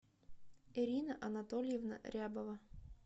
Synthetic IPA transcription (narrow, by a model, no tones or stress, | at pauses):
eɾʲinəʔɐnat̪olʲjevnə̰ɾʲabəvə